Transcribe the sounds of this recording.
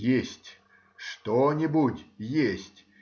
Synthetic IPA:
jesʲtʲ | ʂt̪onʲɪbutʲjesʲtʲ

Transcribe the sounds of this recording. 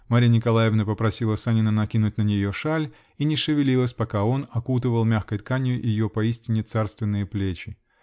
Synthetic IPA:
maɾʲijnʲɪkɐlˠajɪvnəpəpɾɐsʲilˠəsanʲɪnənɐkʲinʊtʲnənʲɪjoʂalʲ | inʲɪʂɨvʲɪlʲilˠəsʲpɐkao̞nɐkut̪̬ɨvəlˠmʲaxkəjt̪̚kanʲjʊʔjɪjopɐisʲtʲɪnʲɪt̪sarst̪vʲɪnːɨjəplʲet͡ɕɪ

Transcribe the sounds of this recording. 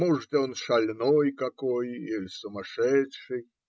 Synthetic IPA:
muʐt̪ɔnʂɐlʲnojkɐkojilʲsʊmɐʂɛtʂɨj

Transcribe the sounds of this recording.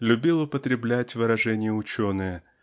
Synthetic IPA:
lʲʊbʲilˠʊpət̪ɾʲɪblʲætʲvɨɾɐʐɛnʲɪjəʊt͡ɕonɨjə

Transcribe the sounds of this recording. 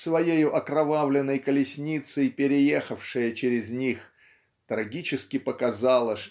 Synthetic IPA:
svɐjejʊʔɐkɾɐvavlʲɪnːəjkəlʲɪsʲnʲit̪sɨpʲɪɾʲɪjexəfʂɨjət͡ɕɪɾʲɪzʲnʲix | t̪ɾɐɡʲit͡ɕɪskʲɪpəkɐzalˠəʂ

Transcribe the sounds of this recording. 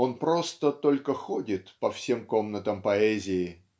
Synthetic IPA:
o̞npɾost̪ət̪o̞lʲkəxodʲɪt̪pɐfsʲe̞mko̞mnət̪əmpɐɛzʲɪɪ

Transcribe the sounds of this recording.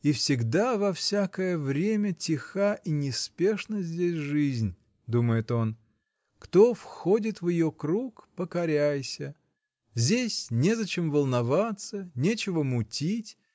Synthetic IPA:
ifsʲɪɡd̪avɐfsʲakəjəvɾʲemʲətʲɪxaʔinʲɪspʲe̞ʂnəzʲdʲesʲʐɨzʲnʲ | d̪uməjɪt̪o̞n | kt̪ofxodʲɪt̪vjɪjokɾukpəkɐɾʲæjsʲə | zʲdʲesʲnʲezɐt͡ɕemvəlˠnɐvat̪sənʲet͡ɕɪvəmʊtʲitʲ

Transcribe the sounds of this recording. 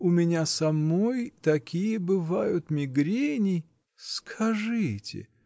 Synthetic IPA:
ʊmʲɪnʲasɐmojt̪ɐkʲijəbɨvajʊt̪mʲɪɡɾʲenʲɪj | skʰɐʐɨtʲɪ̰

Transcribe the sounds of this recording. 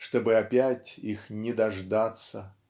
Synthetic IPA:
ʂt̪obɨapʲætʲixnʲɪd̪ɐʐd̪at̪sə

